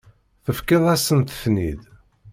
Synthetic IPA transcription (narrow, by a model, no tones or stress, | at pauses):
θəfkeðˤæsənt̪ə̥θnid̪